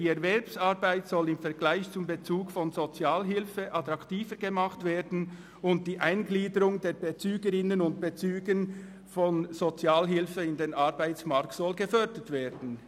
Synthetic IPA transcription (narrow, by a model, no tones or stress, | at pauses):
iːɛɾvɛɾpsɑʁbaɪtsɔlɪmfɛʁɡ̥laɪçt͡sʊmbet͡suːkfɔnzot͡sjaːlɦɪlfəʔɑt̪ɾɑktiːfəɡemɑχtv̥eːdn̩ | ʊnt̚d̥iːʔaɪnɡliːdəɾʊŋdeːɾbet͡syːɡəɾɪnənʊnt̚b̥et͡syːɡən | fɔnz̥ot͡sjaːlɦɪlfəɪndeːnɑɾbaɪtt͡smɑʁk̚tsɔlɡəfœɾdətv̥eːɾdn̩